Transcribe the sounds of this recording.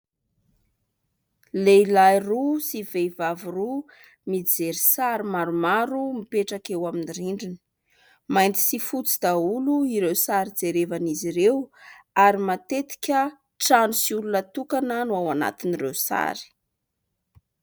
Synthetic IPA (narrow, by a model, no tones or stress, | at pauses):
leilajrusivevavuru | mid͡zeɾisaɾimaɾumaɾumipeʈ͡ʂakewaminiɾiɳɖ͡ʐinə̥ | majnt̪i̥sifut͡sid̪auluiɾewsaɾid͡zeɾevaniziɾewaɾimat̪et̪i̥kʲə | ʈ͡ʂanusiulunət̪ukananawana̰t̪inirewsa̰ɾi̥